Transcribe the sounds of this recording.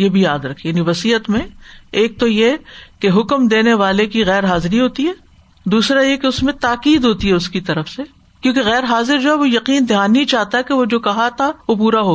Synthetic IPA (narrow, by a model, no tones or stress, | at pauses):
jebʱijaːd̪ɾɐkʰːijaːniʋɐsiːət̪mẽeːk̚t̪ojekeɦʊkmd̪eːneʋaːlekiɣɛːɾɦaːzɪɾiɦoːt̪iɦɛː | d̪uːsɾajekeʊsmẽt̪aːqiːd̪ɦoːt̪iɦɛʊskit̪ɐɾəfse | kjõːkeɣɛːɾɦaːzɪɾd͡ʒoːɦɛʋojɐqiːnd̪ʱjaːnit͡ʃaːɦt̪aɦɛkeʋod͡ʒoːkɐɦat̪ʰaʋop̬uːɾaɦoː